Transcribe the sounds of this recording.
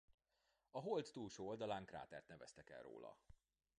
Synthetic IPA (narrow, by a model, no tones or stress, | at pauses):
ɒɦolt̪ːuːlʃoːold̪ɒlaːŋkra̰ːt̪ɛrt̪nɛvɛst̪ɛkɛ̰lro̰ːlɒ̰